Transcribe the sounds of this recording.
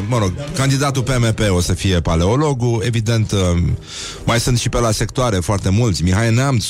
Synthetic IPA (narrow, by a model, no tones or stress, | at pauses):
məɾo̞ɡ̚kand̪id̪at̪ulpemepe̞o̞səfije̞paleo̞lo̞ɡue̞vid̪e̞nt̪ | majsɨnt̪ʃipelase̞kt̪oaɾe̞foart̪e̞mult̪sʲmixajnams